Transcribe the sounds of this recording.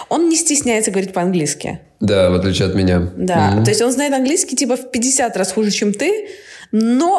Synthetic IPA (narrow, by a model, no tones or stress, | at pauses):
o̞nnʲɪsʲtʲɪsʲnʲæjt̪səɡəvɐɾʲit̚ʲpəɐnɡlʲiskʲɪ̰ | d̪avɐt̪lʲit͡ɕːɐt̪mʲɪnʲad̪ato̞ɪsʲtʲo̞nzajɪt̪ɐnɡlʲiskʲɪtʲipəfpʲɪdʲɪsʲat̪rasxuʐɨt͡ɕemt̪ɨ | no̞